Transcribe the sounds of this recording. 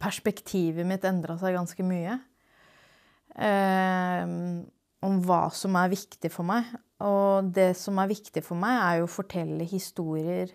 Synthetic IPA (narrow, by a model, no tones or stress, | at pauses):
pʰæʂpɛkt̪ʰiːʋəmɪt̪ːɛnd̪ɾɑsæɪɡɑnskəmyːə | ʔɔmʋɑ̰ːsɔmæɾʋɪkt̪ɪfɔɾmæɪ | ʔɔd̪ɛsɔmæɾʋɪkt̪ɪfɔɾmæɪæɾjʊfɔʈʰɛlːəhɪst̪uːɾɪəɾ